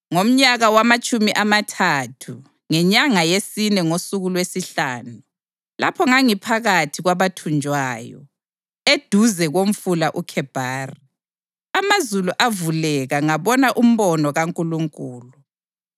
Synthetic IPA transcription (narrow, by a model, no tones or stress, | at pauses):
ŋom̩ɲaɣawamat͡ʃʼumiʔamatʰatʰu | ŋɛɲaŋajesinɛŋosuɣulwesiɬaːnu | la̰pʰɔŋaŋipʰaɣatʰiɣwaβatʰund͡ʒʱwaːjɔ̰ | ed̥ʱuzɛɣom̩fulaʔukʰɛb̥ʱaːri | amazuluʔavulɛɣaŋaβɔnaʔum̩βɔnɔɣaŋkʼuluŋkʼuːlu